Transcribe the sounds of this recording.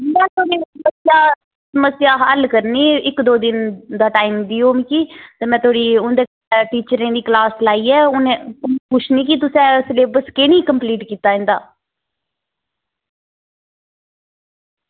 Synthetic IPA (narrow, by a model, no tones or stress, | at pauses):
mɛ̃ːt̪ʰoːɽiːsməsɪjaː | səməsjaːɦəlkəɾniːɪkd̪oːd̪ɪnd̪aːʈaːimd̪iːoːmĩːkiːt̪eːmɛ̃ːt̪ʰoːɽiːʊnd̪eː | ʈiːt͡ʃəɾẽːd̪iːklaːslaːiːɛːʊnẽːʊnːpʊt͡ʃʰnĩːkit̪̬ʊsɛ̃ːsleːbəskenĩːkəmpliːʈkiːt̪aːɦɛ̃nd̪aː